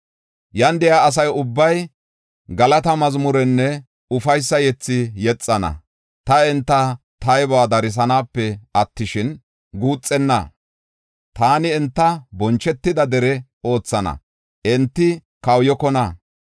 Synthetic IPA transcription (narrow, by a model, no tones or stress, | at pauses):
jɐnd̪ɛjaːs̬ɐjʊbːɐj | ɡɐlɐt̪ɐmɐzmʊɾɛnːɛ | ʊfɐjsːɐjɛt͡sːɪjɛt͡sʼːɐnɐ̰ | t̪ɐɛnt̪ːɐ | t̪ɐjbɔaːd̪ɐɾɪs̬ɐnaːpːɛɐt̪ːɪʃɪn | ɡuːt͡sʼːɛnːɐ̰ | t̪aːnɪɛnt̪ːɐbɔnt͡ʃːɛt̪ːɪd̪ɐd̪ɛɾɛ | o̞ːt͡sːɐnɐ̰ | ʔɛnt̪ːɪ | kɐwjɔkɔnɐ